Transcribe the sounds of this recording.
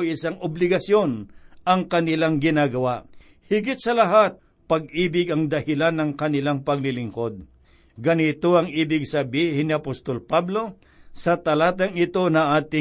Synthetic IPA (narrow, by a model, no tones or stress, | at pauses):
ʔɪsaŋʊblɪɡɐsjo̞nʔɐŋkɐnɪlaŋɡɪnaːɡɐwaʔ | hɪɡɪt̪̚sɐlɐɦat̪̚ | pɐɡ̚iːbɪɡɐŋd̪ɐhɪlanːɐŋkɐnɪlaŋpɐɡ̚lɪlɪŋko̞d̪̚ | ɡɐnɪt̪oɐŋʔiːbɪɡ̚sɐbihɪnːɪɐpost̪olpablo̞ | sɐt̪ɐlaːt̪̬ɐŋɪt̪o̞nɐʔaːt̪ɪ